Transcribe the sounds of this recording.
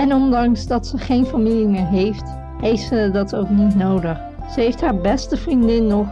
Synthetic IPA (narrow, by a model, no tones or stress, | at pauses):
ɛnɔndɑŋsdɑtsəχejnfamilimɪːɹɦejft | hejtsədɑtʰowknitnowdəχ | səejftɦaːɹbɛstəfrindɪnːɔχ